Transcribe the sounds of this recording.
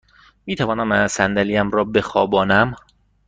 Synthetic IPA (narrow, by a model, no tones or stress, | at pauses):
miːt̪ʰævɒːnæmæsænd̪ælijæmɾɒːbe̞xɒːbɒːnæm